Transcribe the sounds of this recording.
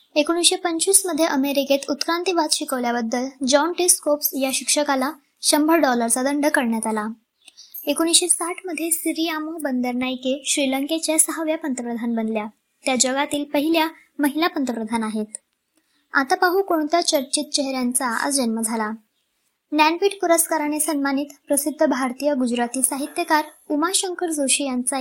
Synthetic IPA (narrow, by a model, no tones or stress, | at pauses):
ekoñisɕepəɲt͡ɕiːsməd̪ʱːjeʔəmeɾiket̪ut̪kɾant̪iʋat̪ɕikəʋljabəd̪ʱːəld͡ʑɔɳʈiskopsjaɕikʂəkala | ɕəmbʱəɾɖɔləɾt͡sad̪əɳɖəkəɾɳjat̪ala | ekoñisɕesaʈʰməd̪ʱːjesiɾiamobənd̪əɾnajkeɕɾiləŋket͡ɕjasəɦaʋjapənt̪əpɾəd̪ʱanbənlja | t̪jad͡ʑəɡat̪iːlpəɦilja | məɦilapənt̪əpɾəd̪ʱanaɦet̪ | a̰t̪apaɦukoɳt̪jat͡ɕəɾt͡ɕit̪̚t͡ɕeɦɾjant͡saə̰sd͡ʑənməd͡zʱala | nænpiʈpuɾəskaɾanesəmmaniːt̪pɾəsid̪ʱːəbʱaɾt̪ijəɡud͡ʑɾat̪iːsaɦit̪jəkaɾumaɕəŋkəɾd͡zoɕiːjant͡sa